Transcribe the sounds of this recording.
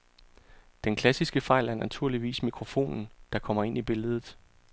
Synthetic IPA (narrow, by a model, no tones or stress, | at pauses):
d̥enkʰlæsisɡ̥əfɑ̈ɪlæɐnæt͡sʰuɐ̰liʋḭːsmikʰʁo̝fo̝̰ːnn̩d̥ɑ̈kʰɒ̽m̰ɐe̝n̰ib̥e̝ləð̞̩ˠ